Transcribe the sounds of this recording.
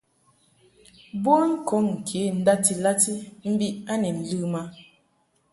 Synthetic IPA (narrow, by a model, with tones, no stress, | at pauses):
bo˦ŋ̩˦ko˨˦ŋŋ̩˨kʰe˨˦n̩˦da˦ti˨la˦ti˦m̩˦bi˦ʔa˦ne˨n̩˨lɯ˦ma˦